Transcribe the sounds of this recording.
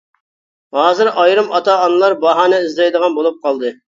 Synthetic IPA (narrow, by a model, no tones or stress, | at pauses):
hɑːzɪɾɑjɾɨmɑt̪ɑːnɨlˠɑɾbɑɦɑːnɛizlɑjd̪əʁɑnbolˠup̚qʰɑlˠd̪ɨ